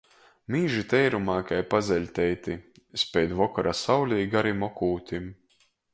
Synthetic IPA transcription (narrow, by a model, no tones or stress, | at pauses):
miːʒit̪ɛjɾumaːkajpazʲɛlʲt̪ʲɛjt̪i | spʲɛjd̪vɔkɔɾasawlʲiːɡaɾimɔkuːt̪ʲim